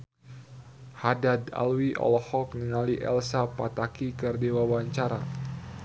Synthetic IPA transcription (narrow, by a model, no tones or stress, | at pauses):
hadada̰lwiʔɔ̰lɔhɔk̚niŋaliʔɛ̰lsapat̪akikərdewawaɲt͡ʃaɾa